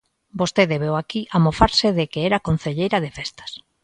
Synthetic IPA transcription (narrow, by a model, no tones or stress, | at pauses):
bost̪eðeβewakiʔamofaɾsɪðekeɛɾakon̟θeʎejɾɐðefest̪ɐ̥s